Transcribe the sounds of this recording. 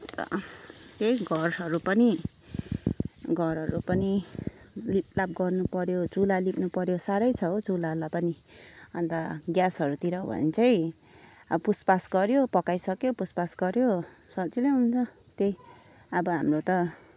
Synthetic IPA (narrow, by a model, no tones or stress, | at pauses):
t̪ʌ̰t̪ejɡʱʌrʌɾupʌni | ɡʱʌrɦʌɾupʌni | lip̚lab̚ɡʌrnupʌɾjod͡zulalipnupʌɾjosaɾʌjt͡sʰʌod͡zulalapʌni | ʌnt̪aɡjasɦʌɾut̪iɾʌbʱʌ̰nt͡sʰʌj | ʌpuspasɡʌɾjopʌkajsʌkjopuspasɡʌɾjosʌt͡sileɦunt͡sʰʌ | t̪ej | ʌbʌɦamrot̪ʌ